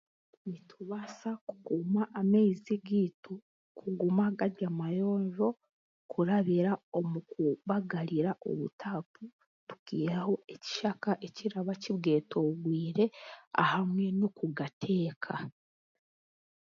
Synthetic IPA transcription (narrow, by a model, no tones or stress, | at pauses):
nitʰuβasaku̥kumaʔːmeiziɡiːtu | kʰuɡumaɡadɟamajo̞ːɲʒo̞ | kʰuɾaβiɾao̞mukuβaɡaɾiɾaʔo̰βṵtʰaːpu | tu̥kiːɾaho̞eci̥ʃakaʔeciɾaβaciβɡe̞ːtʰoɡwiːɾe̞a̰hamŋe̞nokuɡatʰe̞ːkʰa